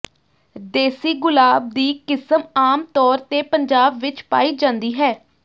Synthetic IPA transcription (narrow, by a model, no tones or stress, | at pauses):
d̪eːsiːɡʊlaːb̚d̪iːkɪsəmaːmt̪ɔːɾt̪eːpəɲd͡ʒaːbʋɪt͡ʃpa̰ːiːd͡ʒãːnd̪iːɦɛː